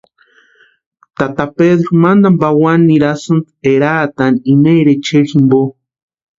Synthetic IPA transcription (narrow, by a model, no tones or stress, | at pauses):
t̪at̪apeðɾomand̪ambawanːiɾasɨn | eɾaːt̪animeɾet͡ʃeximbo